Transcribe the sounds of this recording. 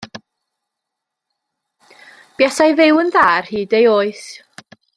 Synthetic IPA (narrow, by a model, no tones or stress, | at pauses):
b̥jɛsajvɪwənðaːrhiːdejoːɨθ